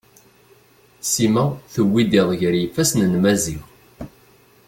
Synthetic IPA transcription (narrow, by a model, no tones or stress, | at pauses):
simæθəwːid̪iðˤʝɾjifːæsnənmæziʁ